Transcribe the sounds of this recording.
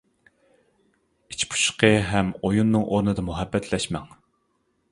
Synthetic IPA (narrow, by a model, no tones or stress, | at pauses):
i̥t͡ʃpʰu̥ʃqʰəɦɛmojunːɨŋʔoɾnɨd̪ɑmuɦɛbːɛt̪ʰlɛʃmɛ̰ŋ